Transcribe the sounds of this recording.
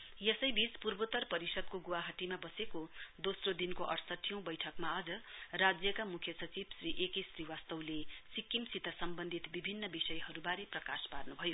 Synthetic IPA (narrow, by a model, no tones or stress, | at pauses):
jesʌjbit͡spurbot̪ʌrpʌɾisʌd̪̚koɡuwaɦʌʈimabʌsekod̪osrod̪inkoʔʌɾsʌʈʰijʌ̃w̃bʌjʈʰʌkmaʌd͡zʌrad͡zjʌkamukʰjʌsʌt͡sibsriʔekʌjsriwast̪ʌwlesikːimsit̪ʌsʌmbʌnd̪ʱit̪bibʱinːʌbisʌjhʌɾubaɾeprʌkasparnubʱʌjo